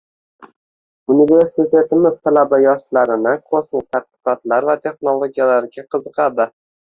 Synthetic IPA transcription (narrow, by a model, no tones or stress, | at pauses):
unive̞ɾsit̪ʰe̞t̪ɪmɪzt̪ʰalabajɒʃlaɾɪnɪkʰosmɪt̪ʰat̪̚qɨ̥qɒt̪laɾvat̪ʰe̞χno̞lˠoɡʲijalaɾɡʲaqʰɨzɨqʰɑd̪ɪ